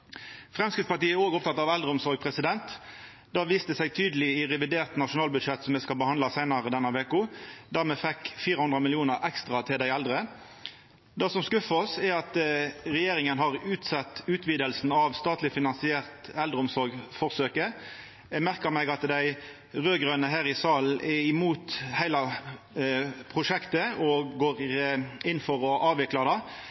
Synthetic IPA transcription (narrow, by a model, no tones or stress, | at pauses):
fʁɛmskɪt̪spɑɾt̪iːɛoːɡɔpt̪ʰɑt̪ːɑʋæld̪ʁəʊmsɔɾɡ̚pʰʁɛsɪd̪ɛnt̪ | d̪ɑːʋiːst̪əsæɪt̪ʰyːd̪əlɪɪʁɛʋɪd̪eːʁt̪nɑʂʊnɑːlbʉd̪ʂɛt̪sɔmːɛskɑlbəhɑnd̪ɑsæɪnɑʁəd̪ɛnːəʋeːkʊd̪æːʁmɛːfɛkfiːɾəhʉnd̪ʁəmɪlɪuːnəʁɛkst̪ʁɑt̪ʰɪld̪æɪæld̪ʁə | d̪ɑːsɔmskʉfəɔsæɑt̪ʁɛjeːɾɪŋənɦɑʁʉːt̪sɑt̪ːʉːt̪ʋiːd̪əlsn̩ɑʋst̪ɑːt̪lɪfɪnɑnsɪeːʁt̪ɛld̪ʁəʊmsɔɾɡfɔʁsøːkə | jɛmæʁkəmɛɡɑt̪d̪æɪ | ʁøːɡʁøːnəɦæːʁɪsɑːl̩ɛɪmuːt̪hæɪlɑ | pʰʁʊʂɛkt̪əɔɡoːɾɪnːfɔʁɔʔɑːʋɪklɑd̪ɑː